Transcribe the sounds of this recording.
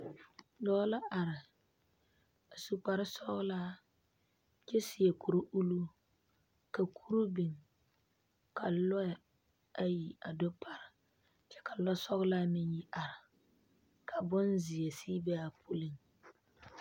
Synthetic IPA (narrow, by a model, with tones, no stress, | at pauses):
dɔː˦la˦ʔa˨ɾɪ˨ | a˨su˨k͡pa˨ɾɪ˦sɔ˦ɣʊ˦laː˦ | kʲɛ˦si˨je˨kʰu˨ɾu˦ʔu˦lu˦ | ka˨kʰu˦ɾu˦bi˨ŋ | ka˨lɔ˦˨ | a˦ji˨a˨do˦pʰa˨ɾɪ˨ | t͡ʃɛ˦ka˨lɔ˦sɔ˦ɣlaː˦mɪ˦nji˦ʔa˨ɾɪ˨ | kʰa˨bʊ˦nzɪ˨e˨siː˦bɛ˦a˨pʰu˦lɪ˦ŋ